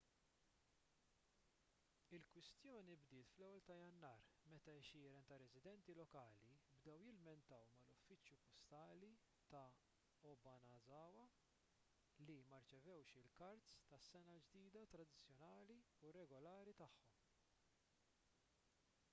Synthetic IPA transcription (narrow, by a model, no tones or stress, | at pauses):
ɪlkwɪst̪jɔːnibd̪ɪːt̪flɛwːɛlt̪ɐjɐnːɐːɾmɛt̪ɐɛʃɪːɾɛnt̪ɐɾɛzɪd̪ɛnt̪ilɔkɐːlibd̪ɛwjɪlmɛnt̪ɐwmɐlʊfːɪt͡ʃjupɔst̪ɐːli | t̪ɐ | ɔbɐnɐzɐːwɐ | limɐɾt͡ʃɛvɛwʃɪlkɐɾt̪st̪ɐsːɛnɐd͡ʒd̪iːd̪ɐt̪ɾɐd̪ɪt͡sːjɔnɐːli | uɾɛɡɔlɐːɾit̪ɐħːɔm